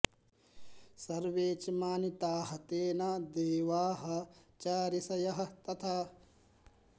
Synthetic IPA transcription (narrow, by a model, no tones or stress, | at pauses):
sɐɾʋeːt͡ʃɐmaːnit̪aːɦɐt̪eːnɐd̪eːʋaːɦɐ̆t͡ʃaːɾisɐjɐɦɐ̆t̪ɐt̪ʰaː